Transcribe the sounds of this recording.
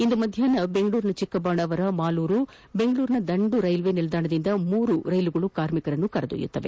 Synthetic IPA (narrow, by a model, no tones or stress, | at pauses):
ind̪umɐd̪ʱjaːnɐbeŋɡɐɭuːɾinɐt͡ʃikːɐbaːɳɐʋɐɾɐmaːluːɾu | be̞ŋɡɐɭuːɾinɐd̪ɐɳɖuɾɐjlʋeːnilɐd̪aːɳɐd̪ind̪ɐmuːɾuɾɐjluɡɐɭukaːɾmikɐɾɐnːukɐɾɐd̪ṵjṵt̪ːɐʋe̞̰